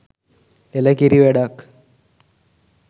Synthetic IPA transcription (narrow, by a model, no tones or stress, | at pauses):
elɐkiɾiʋeɽak